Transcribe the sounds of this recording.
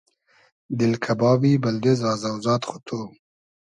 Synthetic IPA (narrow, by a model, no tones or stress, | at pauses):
d̪ɪlkʰabɑːbibald̪ɪzɑːzawzɑːt̪xʊ̥t̪ʰo